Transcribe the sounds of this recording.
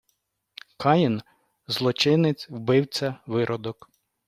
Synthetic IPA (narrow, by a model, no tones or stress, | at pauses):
kʰɑjɪn | zlˠɔt͡ʃɪnɪt͡sʲwbɪwt͡sʲɐʋɪɾʔɔd̪ɔk